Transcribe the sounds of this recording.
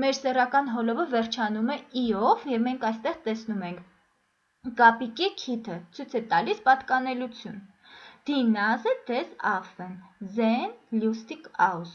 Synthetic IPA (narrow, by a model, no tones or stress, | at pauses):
mɛɾsɛrɑkɑnɦɔlɔvəvɛrt͡ʃʰɑnumɛiɔvjɛvmɛŋkʰɑjst̪ɛʁt̪ɛsnumɛŋkʰ | kɑpikikʰit̪ʰət͡sʰujt͡sʰɛt̪ɑlispɑt̪kɑnɛlut͡sʰjun | d̪̥inɑzəd̪̥ɛzɑfɛnzɛnljust̪ikʰɑuz